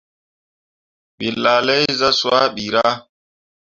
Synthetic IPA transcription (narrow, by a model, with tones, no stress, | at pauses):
ɓi˨lːa˨lɛ˦jza˦swa˦ɓi˨ɾa˦